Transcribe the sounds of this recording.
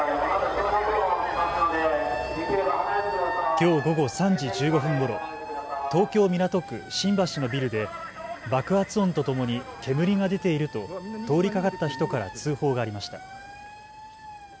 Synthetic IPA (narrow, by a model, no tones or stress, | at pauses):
kʲo̞ːɡo̞ɡo̞sãɲ̟d͡ʑid͡ʑɨːɡo̞ɸɯ̟̃ŋɡo̞ɾo̞̰t̪o̞ːkʲo̞ːmʲiɾat̪o̞kɯ̟̰ɕĩmbaɕino̞bʲiɾɯ̟d̪e̞ | bakɯ̟at͡sɨõnt̪o̞t̪o̞mo̞ɲ̟ik̪ʰe̞mɯ̟ɾʲiŋad̪e̞t̪e̞iɾɯ̟t̪o̞t̪o̞ːɾʲikakat̪ːaçi̥t̪o̞kaɾa̰t͡sɨːho̞ːɡaːɾʲimaɕi̥t̪ḁ